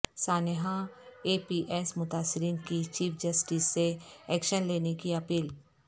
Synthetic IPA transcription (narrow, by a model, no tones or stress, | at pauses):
saːnɦãeːpiːʔɛːsmʊt̪aːsːɪɾiːnkit͡ʃiːfʰd͡ʒəsʈiːsːeɛːkʃənleːnekiɐpiːl